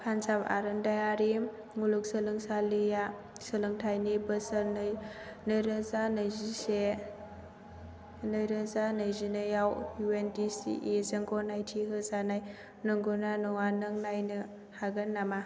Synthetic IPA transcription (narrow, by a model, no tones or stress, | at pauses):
kʰanzaba̰ɾɯndajaɾi | ŋuluk̚səlɯŋsalija | səlɯŋtʰajnibɐsɐɾnɯjnɯjɾəzanɐjzise | nɯjɾɐzanɐjzinɐjawjuendisḭʔezɐŋɡʰɔnajtʰiɦɯzanaj | nɯŋɡɔnanɔŋanɯŋnajnɯ | haɡɐnːama